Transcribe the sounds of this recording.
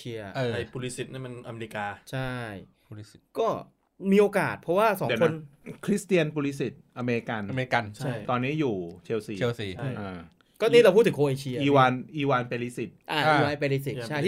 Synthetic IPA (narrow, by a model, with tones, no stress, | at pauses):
i˧ɐ˧a˧jpʰu˧li˦˥si˨˩t̪̚ni˥˩˨ma˧nʔa˧meː˧ɾi˦˧kaː˧t͡ɕʰa˥˩j | kɔː˥˩ | miː˧ʔoː˧ka̰ː˨˩t̪̚pʰɔ˦˥waː˥˩sɔ̰˨˦˨nʰo˧˦˧nnkʰɾi˦˥st̪i˧ə˧npu˧li˦˥si˨˩t̪̚ʔa˧meː˧li˦˧˥ka˧nme˧ka˧nt͡ɕʰa˥˩jt̪ɔː˧nːi˦˥˩juː˨˩t͡ɕʰe˧wsiː˨˩˧si˨˩˥ʔaː˧˩ | kɔː˥˩nʰiː˦˥˩ɾa˧wpʰu˥˩t̪ʰːŋʔoː˧ʔeː˧t͡ɕʰi˧ɐ˧iː˧˦waː˧nʔiː˧waː˧npeː˧li˧˥si˨˩t̪̚ʔa˧i˧waː˧jpe˧li˦˧si˨˩a˥˧˩